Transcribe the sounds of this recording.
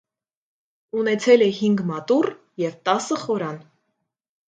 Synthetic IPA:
unɛt͡sʰɛlɛɦiŋɡmɑt̪ur | jɛvt̪ɑsəχɔɾɑn

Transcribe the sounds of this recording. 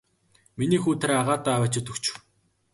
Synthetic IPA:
miniːxuːt̪ʰeɾaʁaːt̪aːæwæːt͡ɕɵt̪ɵ̆kt͡ɕɪ̥̆w

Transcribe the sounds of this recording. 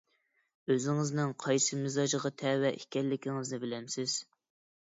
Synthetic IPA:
øzɪŋɪznɪŋqʰɑjsɨmɪzɑʒəʁɑt̪ʰɛwɛʔikʲɛlːɪkʲiŋɪznɪbɪlɛmsɪz̥

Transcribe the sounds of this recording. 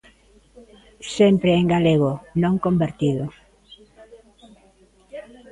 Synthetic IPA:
sempɾeeŋɡaleɣ̞onõŋkombeɾt̪iðʊ

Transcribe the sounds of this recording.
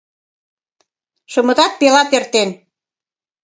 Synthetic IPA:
ʃɤ̆mɤ̆t̪ɑt̪̚pelɑt̪ert̪en

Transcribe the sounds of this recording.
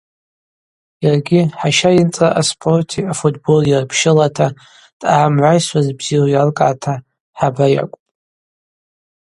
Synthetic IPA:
jarɡʲɪħaʃajɪnt͡sʼaʔaspʰo̞rtʰiafutʰbo̞ljarpʰʃɪlatʰa | d̥ʼaːmʕʷajsʷazbz̥irajarkʼaːtʰa | ħabaja̰kʷʼpʼ

